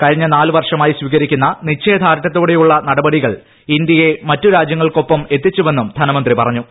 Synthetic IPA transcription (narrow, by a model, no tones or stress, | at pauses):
kɐɻiɲːɐnaːlɨʋɐrʂɐmaːjisʋiːɣɐɾikʲːunːɐnit͡ɕːe̞ːd̪ʱaːɾɐɐt̪ːoːɽe̞juɭːɐnɐɽɐbɐɽiɣɐɭ | ind̪jɐje̞mɐtːuɾaːd͡ʑjɐŋːɐɭko̞pːɐme̞t̪ːit͡ɕːuʋe̞nːumd̪ʱɐnɐmɐnd̪ripɐrɐɲːu